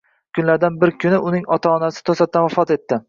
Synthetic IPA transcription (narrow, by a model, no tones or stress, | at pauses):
kʰʊnlaɾd̪anbɪɾkʲʰʊnɪʊnɪŋɒt̪ʰaɒnasɪ̥t̪ʰosat̪ːanvafɒt̪e̞t̪ːɪ